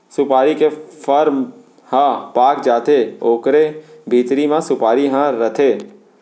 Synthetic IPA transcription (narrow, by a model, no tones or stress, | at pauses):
sʊpaːɾikefʰəɾm | hãpaːkd͡ʒaːt̪ʰeoːkɾebʱiːt̪ɾimãsʊpaːɾiɦãɾɐt̪ʰeː